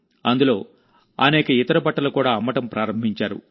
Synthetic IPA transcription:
ɐnd̪ulo̞ː | ɐ̰nɛːkɐit̪ɐɾɐpɐʈːɐlɐkuːɽaːɐmːɐʈɐmpɾaːɾɐmbʱiɲt͡ʃaːɾṵ

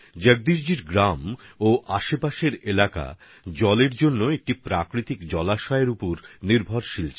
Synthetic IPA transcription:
d͡ʑeɡ̚d̪iɾd͡ʑiɾɡɾamoʔaʃepaʃeɾelaka̰ | d͡ʑɔleɾd͡ʑonːoek̚ʈipɾakɾit̪ikd͡ʑɔlaʃɔeɾupoɾniɾbʱɔɾʃilt͡ɕʰe

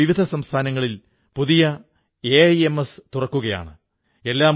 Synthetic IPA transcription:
iʋid̪ʱɐsɐmst̪ʰaːnɐŋːɐɭil | puðijɐ | ejemest̪urɐkːuɣɐja̰ːɳɨ | e̞lːaː

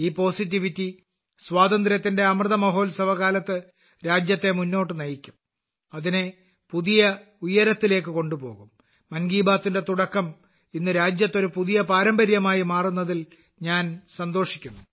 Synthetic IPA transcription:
iːpo̞ːsit̬ːiʋitːi | sʋaːd̪ɐnd̪ɾjɐt̪ːinde̞ɐmrɨðɐmɐɦo̞ːlsɐʋɐɣaːlɐt̪ːɨ | ɾaːd͡ʑjɐt̪ːe̞munːo̞ːʈːɨnɐjikʲːum | ɐðine̞ | puðijɐ | ujɐɾɐt̪ːile̞ːk̬ːɨko̞ɳɖupo̞̰ːɣumː | ɐnɡiːbaːt̪ːinde̞t̪uɽɐkːɐm | inːɨɾaːd͡ʑjɐt̪ːo̞ɾupuðijɐpaːɾɐmbɐɾjɐmaːjimaːrunːɐðil | ɲaːnsɐnd̪o̞ːʂikʲːunːu

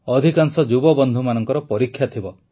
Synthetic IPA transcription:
ɔd̪ʱikaŋsɔd͡ʒubɔbɔnd̪ʱumanɔŋkɔɾɔpɔɾikʰjat̪ʰibɔ

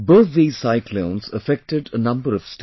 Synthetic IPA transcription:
bəːʋeːsaɪklõːnzəfɛk̚ʈɪɖənʌ̃mbəɾɔʋ̥sʈ

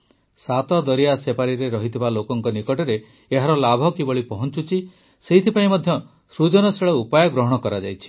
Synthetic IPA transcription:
sat̪ɔd̪ɔɾijasepaɾiɾeɾɔɦit̪ʰibalokɔŋkɔnikɔʈɔɾeː | ɦaɾɔlabʱɔkibɔɭipɔɦɔnt͡ʃut͡ʃʰi | seɦit̪ʰipaĩmɔd̪ʱjɔ | sɾud͡ʒɔnɔseɭɔupajɔɡɾɔɦɔɽ̃ɔkɔɾad͡ʒa̰jt͡ʃʰi̥

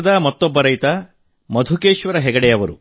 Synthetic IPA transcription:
d̪ɐmɐt̪ːɔbːɐɾɐjt̪ɐ | mɐd̪ʱukeːʃʋɐɾɐɦɛɡɐɽɛjɐʋɐɾu

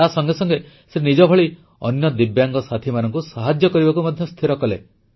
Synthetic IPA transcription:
asɔŋɡesɔŋɡe | senid͡ʒɔbʱɔɭi | ɔ̰njɔd̪ibjaŋɡɔsat̪ʰimanɔŋkusaɦad͡ʒjɔkɔɾibakumad̪ʱjɔst̪ʰiɾɔkɔle

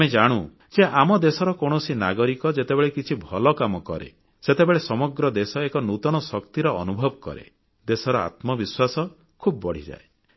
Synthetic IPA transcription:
med͡ʒaɽ̃u | d͡ʒeʔamɔd̪esɔɾɔkoɽ̃ɔsinaɡɔɾikɔd͡ʒet̪ebeɭekit͡ʃʰibʱɔlɔkamɔkɔ̰ɾḛ | set̪ebeɭesɔmɔɡɾɔd̪esɔekɔnut̪ɔɽ̃ɔsɔkt̪iɾɔɔ̰nubʱɔbɔkɔ̰ɾḛ | d̪esɔɾɔa̰t̪mɔbiswasɔ | kʰubɔbɔɽ̤id͡ʒa̰e

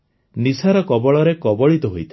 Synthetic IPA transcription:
nisaɾɔkɔbɔɭɔɾekɔbɔɭit̪ɔɦojt̪ʰi

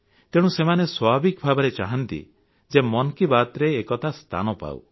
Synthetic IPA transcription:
t̪eɽ̃ũsemaneswɔbʱabikbʱabɔɾet͡ʃaɦɔnt̪ḭ | d͡ʒemɔnkibat̪ɾeːkɔt̪ast̪ʰa̰nɔpa̰w̰

